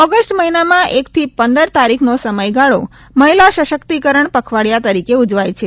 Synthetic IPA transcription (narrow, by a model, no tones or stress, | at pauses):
ɔɡəsʈməɦinamãʔekt̪ʰipənd̪əɾt̪aɾikʰnosəməjɡaɭo̰ | məɦilaʃəʃəkt̪ikəɾəɳpəkʰʋaɽjat̪əɾikeud͡ʒʋajt͡ʃʰe